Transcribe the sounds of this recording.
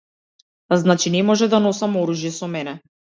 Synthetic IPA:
znat͡ʃinɛmɔʒɛd̪anɔsamɔɾuʒjɛsɔmɛnɛ

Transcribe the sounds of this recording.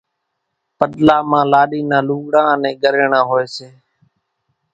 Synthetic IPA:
pəɗlaːmãːlaːɗiːnãːluːɠɽãːənẽːɡəɾeːɳãːɦoːeːseː

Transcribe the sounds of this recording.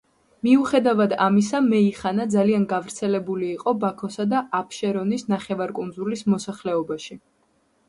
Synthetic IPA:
miuχɛd̪avad̪amis̬amɛiχanad̪zalianɡavɾt̪sʰɛlɛbuliːqʼɔbakʰɔsad̪aapʰʃɛɾɔnisnaχɛvaɾkʼund̪zulismɔsaχlɛɔbaʃi

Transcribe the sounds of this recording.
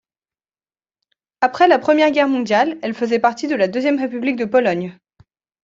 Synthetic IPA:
apχɛlapχəmjɛʁɡʲɛʁmɔ̃d̪jalɛlfəzɛpaʁt̪id̪əlad̪øzjɛmʁepyblik̚d̪əpɔlɔɲ

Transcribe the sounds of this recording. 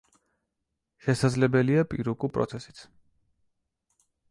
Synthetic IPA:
ʃɛsad̪zlɛbɛliapʼiɾukʼupʼɾɔ̰t̪sʰɛsi̥t̪sʰ

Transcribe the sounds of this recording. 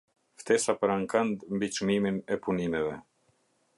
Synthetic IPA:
ft̪ɛsapəɾaŋkand̪mbit͡ʃmiminɛpunimɛvɛ

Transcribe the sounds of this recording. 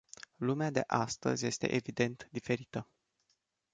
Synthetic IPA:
lumead̪e̞̰ʔast̪ə̰zʲje̞st̪e̞̰ʔevid̪e̞nt̪d̪ife̞ɾit̪ə

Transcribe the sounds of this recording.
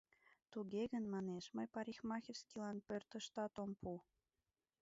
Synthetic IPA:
t̪uɣeɣənmɑneʃməjpɑɾʲixmɑxʲirskilɑnpørt̪ə̆ʃt̪ɑt̪ompu

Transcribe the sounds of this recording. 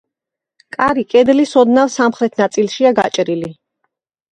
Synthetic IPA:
kʼaɾikʼɛd̪lisɔd̪navsamχɾɛt̪ʰnat̪sʼilˠʃiaɡat͡ʃʼɾili

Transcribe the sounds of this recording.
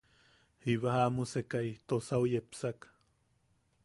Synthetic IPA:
hiβahamusekait̪osaujepsak

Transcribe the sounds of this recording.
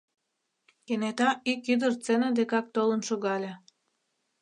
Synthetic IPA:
kenet̪ɑikyd̪ərt͡senəd̪ekɑk̚t̪olənʃoɣɑlʲe

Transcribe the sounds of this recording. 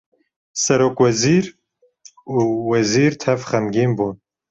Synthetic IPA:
sɛɾoːkwɛziːɾ | uːwɛziːɾt̪ʰɛvχɛmɡiːmbuːn

